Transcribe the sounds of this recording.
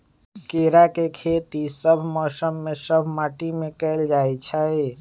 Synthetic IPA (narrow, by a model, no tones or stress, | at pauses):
keɾakekʰet̪isəbʱmɔsəmːesəbʱmaʈimekɛld͡ʒajt͡ʃʰəj